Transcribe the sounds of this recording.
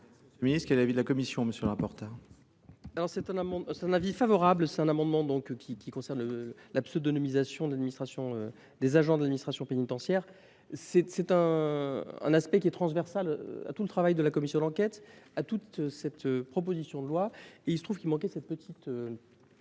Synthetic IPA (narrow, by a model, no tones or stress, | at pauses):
minist̪χkɛlɛlavid̪əlakɔmisjɔ̃məsjølʁapɔʁt̪ɛʁ | alɔʁsɛt̪ɛ̃namɑ̃sɛt̪ɛ̃navifavɔʁablsɛ̥t̪ɛ̃namɑ̃d̪mɑ̃d̪ɔ̃kkʲʰikʲikɔ̃sɛʁnləlapsod̪ɔnɔmizasjɔ̃d̪lad̪minist̪χasjɔ̃ø | d̪ezaʒɑ̃d̪əlad̪minist̪χasjɔ̃penit̪ɑ̃sjɛʁ | sɛsɛt̪ɛ̃ | ɛ̰̃naspɛk̬ʲiɛt̪χɑ̃svɛʁsal̰a̰t̪ulət̪χavajd̪əlakɔmisjɔ̃d̪ɑ̃kʲɛt̪at̪ut̪sɛt̪øpχɔp̬ozisjɔ̃d̪əlwaeilsət̪χuv̥kʲilmɑ̃k̬ɛsɛt̪̚pət̪ʰit̪ø